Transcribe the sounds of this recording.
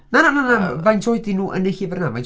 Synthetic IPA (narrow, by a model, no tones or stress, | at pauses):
nanananavajntʰɔːjdinuːʔə̰neɬivɛrnamaj